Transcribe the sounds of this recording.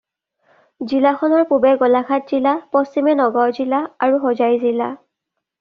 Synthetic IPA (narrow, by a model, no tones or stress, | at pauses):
zilaxɔnɔɹpubɛɡɔlakʰat̚z̥ilapɔstimɛnɔɡɔɹzilaaɹuxɔzajzila̰